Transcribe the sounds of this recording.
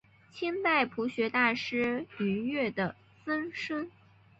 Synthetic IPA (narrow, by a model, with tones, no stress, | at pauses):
t͡ɕʰi˥nt̪a˥˩ɪpʰu˧˥ɕɥɛ˧˥t̪a˥˩ʂɻ̩˥y˧˥nɥɛ˥˩d̪ə˩ | sə˥nʂə˥ŋ